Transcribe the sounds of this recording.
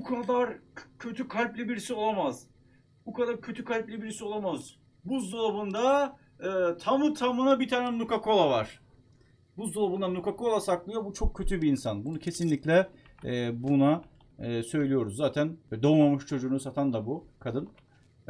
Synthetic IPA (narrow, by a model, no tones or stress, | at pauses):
bukʰad̪aɾcʰøt̪ʰykʰalʲplʲibiɾisio̞lˠamaz̥ | bukad̪aɾcʰø̞t̪ʰykʰalʲplʲibiɾisio̞lˠamaz̥ | buzd̪olˠabund̪a | ɯːt̪ʰamɯt̪ʰamɯnabit̪ʰaːnɛnukako̞lˠavaɾ̥ | buzd̪olˠabund̪anukako̞lˠasaklˠɯjobut͡ʃʰo̞kcʰːø̞t̪ʰybiːnsanbunucʰe̞sinlʲiclʲɛ | ɛbuna | ɯːsø̞jlʲijo̞ɾuzzaːt̪ʰænvɛd̪o̞mamɯʃt͡ʃʰo̞d͡ʒuːnuzaːt̪ʰænd̪abukʰad̪ɯn